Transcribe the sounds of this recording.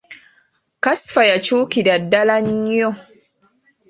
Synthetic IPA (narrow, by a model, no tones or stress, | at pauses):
kasfajat͡ʃuːkidadːalaɲjɔ